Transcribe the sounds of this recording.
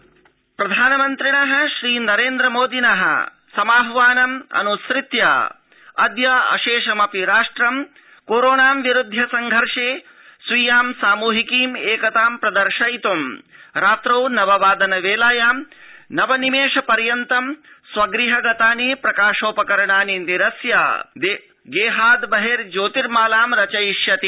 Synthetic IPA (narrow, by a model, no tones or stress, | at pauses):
pɾɐd̪ʱaːnɐmɐnt̪ɾiɳɐɦɐ̆ʃɾiːnɐɾeːnd̪ɾɐmoːd̪inɐɦɐ̰ | sɐmaːɦʋaːnɐmɐ̰nusɾit̪ja̰ː | ɐd̪jɐɐ̰ʃeːʃɐmɐpiɾaːʂʈɾɐm | koːɾoːɳaːmʋiɾud̪ʱːɐsɐŋɡʱɐɾʂeː | sʋijaːmsaːmuːɦikiːmeːkɐt̪aːmpɾɐd̪ɐɾʃɐjt̪umɾaːt̪ɾɐwnɐʋɐʋaːd̪ɐnɐʋeːlaːjaːmnɐʋɐnimeːʃɐpɐɾjɐnt̪ɐm | sʋɐɡɾiɦɐɡɐt̪aːnipɾɐkaːʃoːpɐkɐɾɐɳaːniniɾɐsja̰ːd̪e | ɡeːɦaːd̪bɐɦeːɾd͡ʒoːt̪iɾmaːlaːmɾɐt͡ʃɐjiʃjɐt̪i